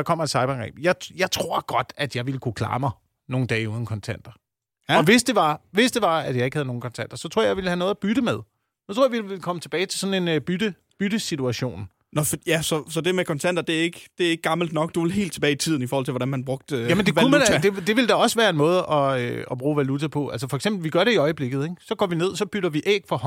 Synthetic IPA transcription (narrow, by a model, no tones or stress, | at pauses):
ɑ̈kʰɒ̽m̰ɐedsɑ̈ɪb̥ɐɡ̥ʁɛ̰ːb̥jɑ̈ɪjɑ̈ɪt͡sʰʁo̝ɐ̰ɡ̥ɒ̽d̥æd̥jɑ̈ɪʋiləkʰukʰlɑ̰̈ːmɑ | no̝ːn̩d̥ɛ̰ːɪuːð̞ˠn̩kʰɒ̽nt͡sʰæn̰d̥ɐ | ɒʋe̝sd̥e̝ʋɑ̈ʋe̝sd̥e̝ʋɑ̈æd̥jɑaɪe̝ɡ̥hæð̩ˠno̝ːŋn̩kʰɒ̽nt͡sʰæn̰d̥ɐsɒ̽t͡sʰʁo̰jɑ̈ɪʋiləhænɔ̽ːðˠæb̥yɾ̥əmeð̞ˠ | jɑt͡sʰo̰ɐjʋiilkʰɒ̽mət͡sʰe̝b̥ɛːɪt͡sʰe̝sɒ̽n̩e̝nb̥yd̥ə | b̥yd̥əsit͡suæɕo̝̰ːn | nɒfɒjæsɒ̽sɒ̽d̥e̝mekʰɒ̽nt͡sʰæn̰d̥ɐd̥e̝æɐe̝ɡ̥d̥e̝æɐeɡ̥̚ɡ̥ɑ̈ml̩d̥nɒ̽ɡ̥̚d̥uʋelɦe̝̰ːld̥t͡sʰebɛːɪt͡sʰið̰ˠn̩ifɔːhɒl̰t͡sʰe̝ʋɒɾænmænb̥ʁɔ̽ɡ̥̚d̥jæmend̥eʋæuæd̥ed̥e̝ʋe̝ld̥ɑɒ̽sʋæːɐe̝nmɔ̽ːð̞̩ˠʔɒ̽øɒ̽b̥ʁṵːʋælut͡sʰæpʰɔ̽ʔæls̬əfɒ̽eɡ̥semb̥l̩ʋiɡ̥ɶɐɾeiɒ̽ɪəb̥le̝ɡ̥ð̩ˠeɡsɒ̽ɡ̥ɒ̰ːʋine̝ð̞̰ˠsɒ̽b̥yɾ̥ɐʋiʔḛɡ̥fɒ̽h